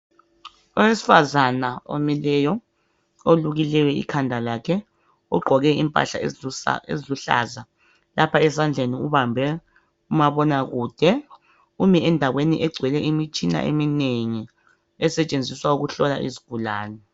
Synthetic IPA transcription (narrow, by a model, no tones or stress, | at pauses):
ɔwesi̥fazanao̰milɛːjɔ | oluɣilɛwɛḭkʰandʱalaːkʰɛ | uɡ͡ǃʱɔɣɛimpʼa̰ɬa̰ḛziluɬa̰ːza | lapʰaɛsand͡ɮʱeniuβambʱɛ | umaβɔnaɣuːd̥ʱɛ | umiɛndʱaɣweniʔɛɡ͡ǀʱwɛlɛʔimit͡ʃʼina̰ʔḛmineŋi | ɛsɛt͡ʃʼend͡zʱiswauɣuɬɔla̰ʔḭziɡ̥ʱulaːnɛ